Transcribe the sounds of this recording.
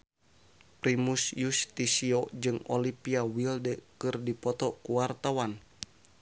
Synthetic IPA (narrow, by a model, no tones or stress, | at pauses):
pɾimusjust̪isiod͡ʒɨŋɔlipiawildɛkɨrdipɔt̪ɔkuwart̪awan